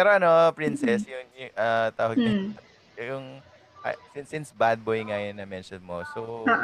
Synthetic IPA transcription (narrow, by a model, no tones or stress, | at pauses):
pɛːɾoʔɐno̞pɹinsɛsjʊŋjʊʔɐt̪aːwɐɡnʊ | jʊŋ | ʔɐ̰sɪnsɪnsbad̪̚bojŋajʊnːɐmɛnʃɔnmoso